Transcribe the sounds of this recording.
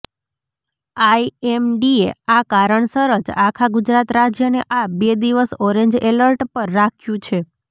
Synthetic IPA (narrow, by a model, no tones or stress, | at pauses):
aiemɖieakaɾəɳsəɾəd͡ʒakʰaɡud͡ʒɾat̪ɾad͡ʒjəneʔabed̪iʋəsɔɾeɲd͡ʒeləɾʈpəɾːakʰjũt͡ʃʰe